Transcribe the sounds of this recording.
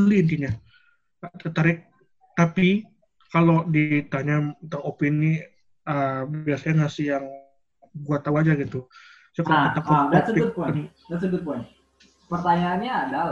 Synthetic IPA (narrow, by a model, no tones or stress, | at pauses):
liːnt̪iɲa | t̪ət̪aɾɪk̚ | t̪api | kalodit̪aɲamt̪aŋopinːi | əbiasaɲaŋasɪjaŋ | buat̪auad͡ʒaɡit̪u | sakaot̪akɔasəbʊt̪̚pdasəbʊt̪̚pɔn | pərt̪aɲaːnɲaːda